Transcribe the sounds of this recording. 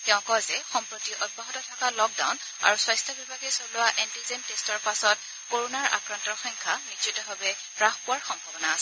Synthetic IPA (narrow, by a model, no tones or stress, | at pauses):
tɛʊ̃kɔjzɛxɔmpɹotiʔɔd̚baɦɔtɔtʰakalɔk̚da̰wn | a̰ɹuswajstʰɔbibʱaɡɛsɔɹlʊwaʔɛntizemtestɔɹpasɔt̚ | koɹonaɹa̰kɹantɔxɔjŋkʰanitɹitɔɦabɛ | pɹaxpʊwaɹxɔmbʱabɔnaːsɛ